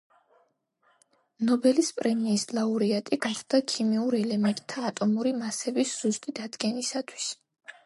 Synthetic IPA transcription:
nɔbɛlispʼɾɛmiːslˠauɾiat̪ʼiɡat̪d̪akʰimiuɾɛlɛmɛnt̪ʼt̪ʰːaːt̪ʼɔmuɾimasɛbisz̥ust̪ʼid̪ad̪ɡɛnisat̪ʰwi̥s

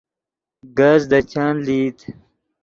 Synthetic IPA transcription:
ɡazd̪at͡ɕaːnliːt̪

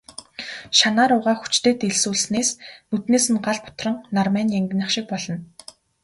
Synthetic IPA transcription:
ʃanaːɾʊʁaːxu̥t͡ɕt̪eːt̪eɮsuːɮsneːsmɵt̪neːsɘ̆nɢaɮpʊ̥t̪rə̆ŋnarmæːnjæŋɡʲɪ̆năχʃɪ̆k̚pɔɮɞ̆n

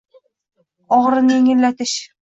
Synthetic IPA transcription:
ɒʁɤɾɤnjeŋɘ̆lːæt̪ɘʃ

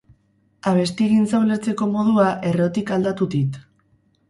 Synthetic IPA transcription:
aβ̞e̞st̪iɣinsawle̞ɾt͡se̞ko̞mo̞ð̞uaʔe̞ro̞t̪ikald̪at̪uðit̪

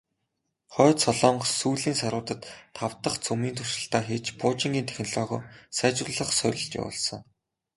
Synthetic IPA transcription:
χɔːt̪sɔɮɔːɴsuːɮiːnsaɾʊːt̪ə̆t̪ʰːaw̥t̪ə̆χt͡sʰumiːnt̪ʰʊrʃə̆ɬt̪aːxeːt͡ɕpʊːt͡ɕĭŋɡʲiːnt̪ʰæ̥xʲn̆ɮɔːʁɔ̰ːsæːt͡ɕrʊ̆ɮə̆χsœɾʲɪ̆ɬt͡ɕḛpɔ̰ɮsɞ̆ŋ

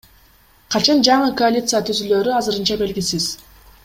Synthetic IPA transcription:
qʰɑt͡ʃɑnd͡ʒɑɴɯko̞alʲit̪sɨjat̪ʰyzylø̞ɾyɑzɯɾɯnt͡ʃɑbe̞lɡisiz̥

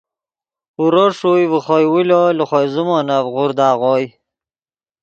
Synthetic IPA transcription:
uɾoʂujviχojwiloluχojzumonavʁuɾd̪aːʁoj

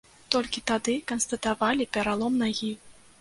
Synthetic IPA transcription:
t̪ɔlʲkʲit̪ad̪ɨkɐnst̪ɐt̪avalʲipʲɛɾalˠɔmnaɣʲi

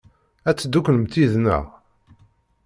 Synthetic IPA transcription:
æt͡sːd̪ukːləmt̪iðnə̰ʁ

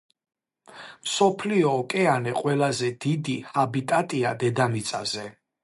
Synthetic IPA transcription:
msɔpʰliɔːkʼɛanɛqʼwɛlazɛd̪̥id̪ihabit̪ʼat̪ʼiad̪ɛd̪amit̪sʼa̰zɛ

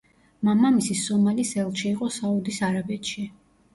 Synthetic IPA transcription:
mamamisisɔmalisɛlˠʃiːqʼɔsaud̪isaɾabɛt̪ʃi

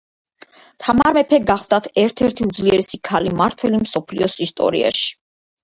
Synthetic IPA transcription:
t̪ʰamaɾmɛpʰɛɡaχvd̪at̪ʰɛɾt̪ʰɛɾt̪ʰiud̪zliɛɾɛsikʰalimaɾt̪ʰvɛlimsɔpʰlḭɔsist̪ʼɔ̰ɾḭa̰ʃi̥

